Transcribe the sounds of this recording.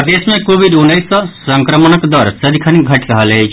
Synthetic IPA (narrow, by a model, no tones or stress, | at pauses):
d̪esmẽkoʋid̪unːəjsəsəŋkɾəmənəkd̪ɔɾsəd̪ʱikʰaniɡʱəʈɾaɦalet͡ʃ